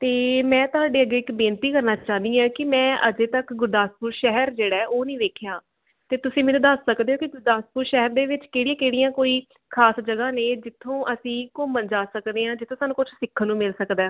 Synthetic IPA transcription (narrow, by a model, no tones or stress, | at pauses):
t̪eːmɛ̃ːt̪ʊɦaːɖeːəɡeːɪkbẽːnt̪iːkəɾnaːt͡ʃãːnd̪iːãːkɪmɛ̃ːə̰d͡ʒeːt̪əkɡʊɾd̪aːspuːɾʃɛɦəɾd͡ʒeːɽaːʔoːnəĩːʋeːkʰejãː | t̪eːt̪ʊsĩːmeːnũːd̪əsːəkd̪eːɦõːkiɡʊɾd̪aːspuːɾʃɛɦəɾd̪eːʋɪt͡ʃkeːɽiãːkeːɽijãːkoːiː | kʰaːsd͡ʒəɡaːneːd͡ʒɪt̪ʰːõːʔəsĩːkomənd͡ʒaːsəkd̪eːãːd͡ʒɪt̪ʰːõːsaːnuːkʊt͡ʃʰsɪkʰːnũːmɪlsəkd̪ɛː